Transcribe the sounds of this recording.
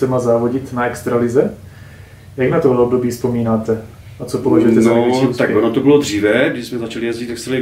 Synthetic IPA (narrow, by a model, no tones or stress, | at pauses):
sɛmazaːvoɟɪt̪naɛkst̪ɾalɪzɛ | jaɡnat̪oɦlɛobdo̞biːfspo̞miːnaːt̪ɛ | at͡sopovaʒɛt̪ɛzaost̪akonot̪obɪlod̪r̝iːvɛɡdɪʃsmɛzat͡ʃalɪjɛzɟɪt̪ɛkst̪ɾalɪ